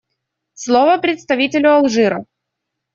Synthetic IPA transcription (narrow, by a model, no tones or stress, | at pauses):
slˠovəpɾʲɪt̪st̪ɐvʲitʲɪlʲʊɐlˠʐɨɾə̰